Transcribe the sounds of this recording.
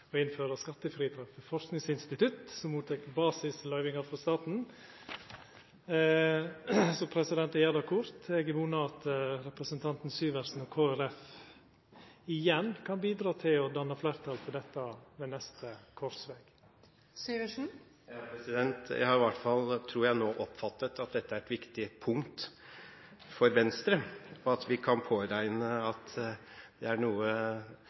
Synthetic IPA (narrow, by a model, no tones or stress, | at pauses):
ɔɪnføːɾəskɑt̪ːəfɾiːd̪ɾɑffəfɔʂknɪŋsɪnst̪ɪt̪ʰʉt̪sɔmuːt̪ʰɛkːbɑːsɪslœʏʋɪŋɑɾfɾɔst̪ɑːt̪n̩ | sɔpʰɾɛsɪd̪ɛnt̪ɛjɛd̪ɑkʰʊɾt̪ɛɡʋuːnəɑt̪ɾɛpɾəsənt̪ʰɑnt̪n̩syːʋəɾsn̩ɔkʰoːæɾɛf | ɪjɛnkʰɑnbiːd̪ɾɑːt̪ʰɪlɔd̪ɑnːəflæːɾt̪ʰɑlt̪ʰɪld̪ɛt̪ːɑʋeːnɛst̪əkʰɔɾsʋeːɡ̥ | syːʋəʂn̩ | jɑpʰɾɛsɪd̪ɛnt̪æ̰ɪhɑɾɪʋɑʈfɑlt̪ʰɾuːɾjæɪnoːʔɔpfɑt̪ːət̪ːɑt̪̚d̪ɛt̪ːəæɾɛt̪ʋɪkt̪ɪpʰʊŋt̪ | fɔɾʋɛnst̪ɾəɔɑt̪ʋɪkʰɑnpʰoːɾæɪnəɑt̪ | d̪ɛæɳuːə